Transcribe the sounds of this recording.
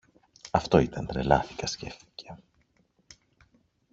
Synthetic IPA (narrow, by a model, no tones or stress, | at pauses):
ɐft̪o̞it̪ɐnt̪ɾe̞lɐθi̥kɐsce̞fθi̥cʰe̞̥